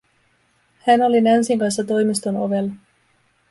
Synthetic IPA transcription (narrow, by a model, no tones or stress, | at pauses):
hæno̞linænsiŋkɑnsːɑt̪o̞jmist̪ono̞̰ʋe̞lːɑ